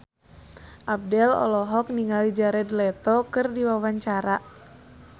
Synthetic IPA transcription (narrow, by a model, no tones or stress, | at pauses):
ʔab̚dɛlɔ̰lɔɦɔk̚niŋalid͡ʒaɾɛdlɛt̪ɔkɨrdiwawaɲt͡ʃaɾa